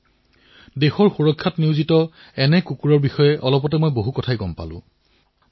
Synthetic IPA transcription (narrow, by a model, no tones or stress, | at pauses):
dexɔɹxuɹɔkʰːatniʊzitɔ | ɛnɛkukuɹɔɹbixɔjɛʔɔlɔp̬ɔtɛmɔjboɦukɔtʰajkɔmpa̰lʊ̰̃